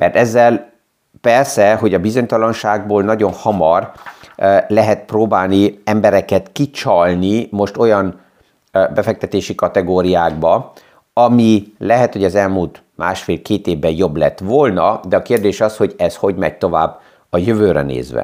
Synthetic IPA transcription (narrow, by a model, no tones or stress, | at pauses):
mʔɛ̰rt̪ɛzːɛl | pɛrsɛɦo̞ɟɒbizo̞ɲt̪ɒlɒnʃaːɡ̚boːlnɒɟo̞nhɒmɒr | lɛɦɛt̪proːbaːlniɛmbɛɾɛkɛt̪kit͡ʃɒlnimo̞ʃt̪o̞jɒn | bɛfɛk̚t̪ɛt̪eːʃikɒt̪ɛɡoːɾijaːɡ̚bɒ | ɒmilɛɦɛt̪ho̞ɟɒzɛlmuːlt̪ | ma̰ːʃfeːlkeːt̪eːvbɛjo̞blɛ̰t̪ːʋolnɒd̪ɛɒkeːrd̪eːʃɒshoɟɛsho̞ɟmɛ̰ɟ̚t̪o̞va̰ːbː | ɒjøvøːɾɛ̰nḛːzʋɛ̰